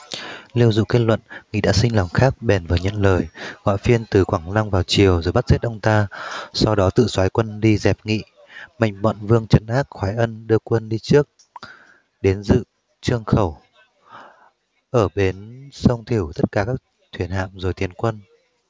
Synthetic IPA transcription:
li˧əwzʊ̰˧˨ke˦˥t̚lwə̰˧˨nŋḭ˧˨ɗa̰ː˧˥sï˧ŋ̟lɔ˨˩wŋ͡mxaː˦˥k̚ɓɛ˨˩nvəː˨˩ɲə̰˧˨nləː˨˩jɣɔ̰ː˧˨jfi˧ənt̪ɨ˨˩kwaː˧˩ŋna˧ŋŋ͡mvaː˨˩wt͡ɕi˨˩əwzo˨˩jɓa˦˥t̚z̥e˦˥t̚ʔə˧wŋ͡mt̪aː˧sa˧wɗɔ˨˦t̪ɨ̰˧˨swaː˨˦jkwə˧nɗi˧zɛ˨˩p̚ŋḭ˧˨ | ma̰˧˨jŋ̟mɔ̰˧˨nvɨ˧əŋt͡ɕə˨˦nʔaː˦˥t̚xwaː˨˦jʔə˧nɗɨ˧əkwə˧nɗi˧t͡ɕɨ˦˥ək̚ | ɗe˨˦nzɨ̰˧˨ | t͡ɕɨ˧əŋxə˧˩w | ʔəː˧˩ɓe˨˦nsə˧wŋ͡mt̪ʰi˧˩əwt̪ə˦˥t̚kaː˨˩kaː˦˥k̚ | t̪ʰwi˧˩ənha̰ː˧˨mzo˨˩jt̪ʰi˨˩ənkwə˧n

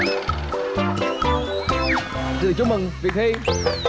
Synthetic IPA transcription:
zɨ̰˧˨t͡ɕʊ˧˥ŋ͡mmɨ˨˩ŋvi˨˩k̚t̪ʰi˧˥

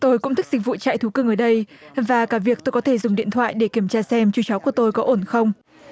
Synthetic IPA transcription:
t̪o˧jkʊ̰˧˥ŋ͡mt̪ï˦˥k̚zi˨˩k̟̚vṵ˧˨t͡ɕa̰ː˧˨jt̪ʰu˨˦kɨ˧ŋʔəː˧˩ɗə˧jvaː˨˩kaː˧˩vi˨˩ək̚t̪o˧jkɔ˨˦t̪ʰe˧˩zʊ˨˩ŋ͡mɗḭ˧˨ənt̪ʰwa̰ː˧˨jɗe˧˩ki˧˩əmt͡ɕaː˧sɛ˧mt͡ɕu˧˩t͡ɕɔ˨˦wku˧˩ət̪o˧jkɔ˨˦ʔo˧˩nxə˧wŋ͡m

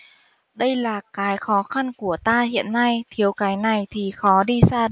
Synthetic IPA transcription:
ɗə˧jlaː˨˩kaː˨˦jxɔ˨˦xa˧nku˧˩ət̪aː˧ɦḭ˧˨ənːa˧jt̪ʰi˨˦əwkaː˨˦jna˨˩jt̪ʰi˨˩xɔ˨˦ɗi˧saː˧

